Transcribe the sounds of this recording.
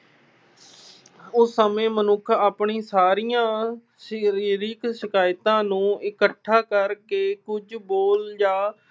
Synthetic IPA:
ʊsːəmẽːmənʊkʰaːpɳiːsaːɾijãː | sɾiːɾɪksɪkaːjt̪ãːnũːɪkəʈʰːaːkəɾkeːkʊd͡ʒboːld͡ʒãː

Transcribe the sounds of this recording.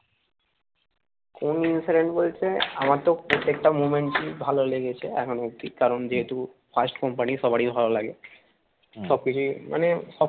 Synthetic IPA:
koninsiɖeɳʈbolt͡ɕʰeamat̪opɾot̪ːek̚ʈamumeɳʈʈibʱaloleɡet͡ɕʰeɛkʰonook̚t̪ikaɾond͡ʑeɦet̪u | pʰasʈkɔmpaniʃɔbaɽibʱalolaɡe | ʃɔb̚kit͡ɕʰumʔa̰neʃɔ

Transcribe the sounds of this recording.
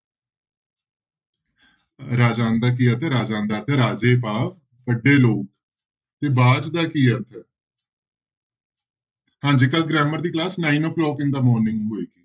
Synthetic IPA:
ɾaːd͡ʒaːnd̪aːk̬iːəɾt̪ʰɛːɾaːd͡ʒaːnd̪aːɾt̪ʰɛːɾaːd͡ʒeːpaːʋ | bəɖːeːloːk | t̪eːbaːd͡ʒd̪aːkiːəɾt̪ʰɛː | hãːd͡ʒiːkəlɡɾɛːməɾd̪iːklaːsnaːinɔːklɔːkɪnd̪aːmɔːɾnɪ̃ŋɡɦoːeːɡiː

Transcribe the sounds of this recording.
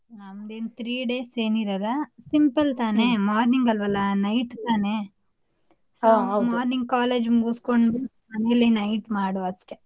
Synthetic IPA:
amɐd̪eːnt̪ʰɾiːɖe̞ːseːniɾɐɾɐsimpɐlt̪aːnemaːɾniŋɡɐlʋɐlːɐnɐjʈt̪aːne | somaːɾniŋɡ̚kaːleːd͡ʒmɡuːskoɳɖbe | mɐnelenɐjʈmaːɽoɐsʈe

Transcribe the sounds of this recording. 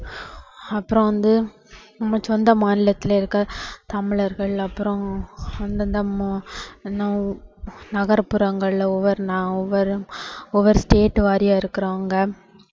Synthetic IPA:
ɐpːɯɾɔ̃ʋɐnd̪ɯ | nɐmːɐt͡ʃɔnd̪ɐmaːnɪlɐt̪ːɪlɐɪɾɯkːɐt̪ɐmɪɭɐɾɣɐɭɐpːɯɾɔ̃ɐnd̪nd̪ɐmɛnːɐ̃ | nɐɣɐɾpɯɾɐŋɡɐɭɔʋɐɾnãːɔʋɐɾɯɔʋɐɾsʈeːʈːʋaːɾɪjaːɪɾɯkːɪɾaːŋɡɐ

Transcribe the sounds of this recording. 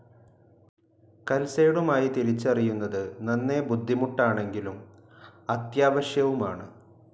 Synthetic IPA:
kɐlseːɽumaːjit̪iɾit͡ɕːɐrijunːɐðɨnɐnːe̞bud̪ʱːimuʈːaːɳe̞ŋɡilum | ɐt̪jaːʋɐɕjɐʋumaːɳɨ

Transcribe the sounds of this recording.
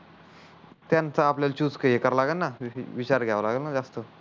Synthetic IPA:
t̪jant͡saːpljalt͡ɕuːd͡zkəekəɾlaɡəlnaʋit͡ɕaɾɡʱɛʋalaɡəlnad͡zast̪ə

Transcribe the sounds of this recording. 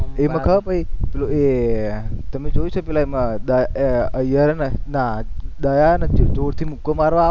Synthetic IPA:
emãkʰəpəipeloe | t̪əmed͡ʒojt͡ʃʰopelaemãd̪ajeəjəɾnanad̪ajanət͡ʃid͡ʒoɽt̪ʰimukomaɾʋã

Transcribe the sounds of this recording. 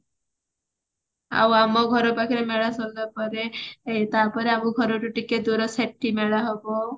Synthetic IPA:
a̰wamɔɡʱɔɾɔpakʰiɾemeɭasɔlbapɔɾeet̪apɔɾeamuɡʱɔɾɔʈuʈiked̪uɾɔseʈ̚ʈʰimeɭaɦɔbɔ

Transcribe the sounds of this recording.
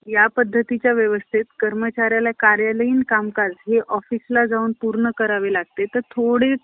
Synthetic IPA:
japəd̪ʱːət̪it͡ɕjaʋjəʋəst̪ʰit̪kəɾmət͡ɕaɾjalakaɾjaləiːnkamkad͡zɦeʔɔfislad͡zauːnpuɾɳəkəɾaʋelaɡ̚t̪et̪əɾt̪ʰoɽe

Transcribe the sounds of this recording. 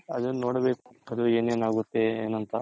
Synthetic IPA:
ɐd̪unoːɽɐbeːkuɐd̪ue̞ːneːnaːɡut̪ːe̞ḛːnɐnt̪ɐ

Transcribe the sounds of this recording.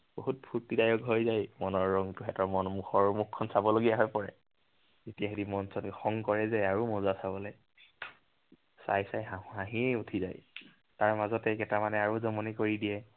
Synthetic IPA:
b̥oɦut̚pʰuɹtidajɔkɦojzajmɔnɔɹːɔŋtʊxɛtɔɹmɔnmuxʰɔɹmukʰːɔnsabɔloɡijaɦɔjpɔɹɛ̰ | z̥etijaɦeɾimɔnsɔnxɔŋkɔɹɛzɛaɹumɔzasabɔlɛ | sa̰jsajɦaɦãɦiutʰiza̰j | taɹmazɔtɛkɛtamanɛaɹuzɔmɔnikoɹidiɛ

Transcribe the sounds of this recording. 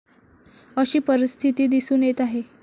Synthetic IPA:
əɕiːpəɾist̪ʰit̪iːd̪isuːnjet̪aɦe

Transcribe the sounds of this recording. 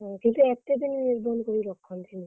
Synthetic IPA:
kint̪uɛk̚t̪ed̪inniɾbʱɔnkoɾiɾɔkʰːɔnt̪ʰini

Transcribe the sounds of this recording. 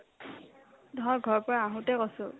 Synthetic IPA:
dʱɔɹɡʱɔɹpɔɹaaɦʊ̃tɛkɔsʊ

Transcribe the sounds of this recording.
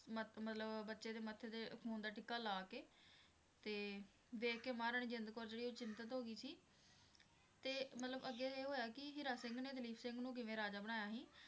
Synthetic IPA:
məmət̪ləbbətːʃeːd̪eːmət̪ʰːeːd̪eːkʰũːnd̪aːʈɪkːaːlaːkeː | t̪eː | ʋeːkemaːɾəɳ̃d͡ʒɪnd̪koːɾd͡ʒeːɽiːoːt͡ʃɪnt̪ət̪ɦoːɡiːsiː | t̪eːmət̪ləbəɡeːeːɦoːjaːkɪɦɪɾaːsɪ̃ŋɡneːt̪əliːpsɪ̃ŋɡnũːk̬ɪʋẽːɾaːd͡ʒaːbəɽ̃aːjaːɦĩː

